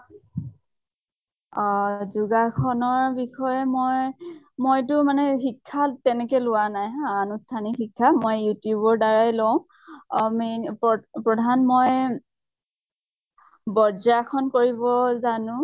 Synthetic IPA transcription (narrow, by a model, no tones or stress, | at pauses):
ɔzuɡakʰɔnɔɹbixɔjɛmoj | mojtʊmanɛxikʰːatɛnɛkɛlʊwanajanustʰanixikʰːamojjutjubɔɹdaɹajlɔw̃ | mepɔpɹɔdʱanmoj | bɔɹzakʰɔnkoɹibɔzanʊ̃